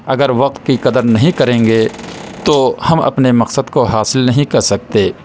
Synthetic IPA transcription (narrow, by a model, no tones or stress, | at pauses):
ɐɡəɾʋɐq̚t̪̚kiqɐd̪əɾnɐɦĩkɐɾẽːŋɡet̪ohɐmɐ̰pnemɐqsəd̪koɦaːsɪlnɐɦĩkɐɾsɐk̚t̪eː